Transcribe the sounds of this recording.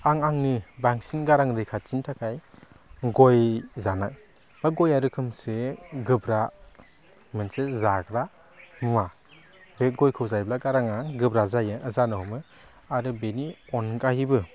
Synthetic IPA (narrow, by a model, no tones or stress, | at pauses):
aŋaŋnɯbaŋsinɡaɾaŋɾɯjkʰat͡ʃintʰakʰaj | ɡɔjzanaj | b̥aɡɔjaɾɯkʰɯmseɡɯbɾa | mɯnsezaɡɾa | mɯma | beɡɔjkʰɯwzajblaɡaɾaŋaɡɯbɾazajɯʔəzanɯhɔmɯ | aɾɯbeniɔnɡahibɯ